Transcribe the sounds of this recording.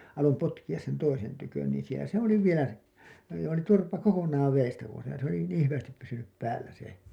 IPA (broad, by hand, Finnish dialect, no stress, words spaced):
ɑlom potkij̆ɑs sen toisen tykøn niːn̞ sielæ se oli ʋielæ se oli joː niːn turpɑ kokonˑɑːʋ ʋeːstæ pois jɑ se oli niːĩ hyʋæstip pysynyp pæːlːæ se